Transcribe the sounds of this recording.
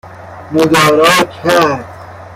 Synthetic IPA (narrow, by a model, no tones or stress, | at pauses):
mod̪ɒːɾɒːkʰæɾd̪̥